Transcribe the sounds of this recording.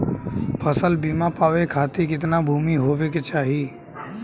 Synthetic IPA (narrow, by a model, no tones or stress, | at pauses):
pʰəsəlbiːmãpaːʋekʰaːt̪ikɪt̪nabʱuːmiɦoːʋeket͡ʃaːɦiː